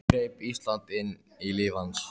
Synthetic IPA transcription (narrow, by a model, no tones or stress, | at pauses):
ɾeːjpist̪lant̪ɪnː | ilɪːvans